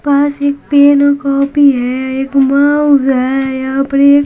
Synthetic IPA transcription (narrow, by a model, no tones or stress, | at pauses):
paːseːk̚peːnakɔːpiɦɛeːkmãːɦɛjapɾe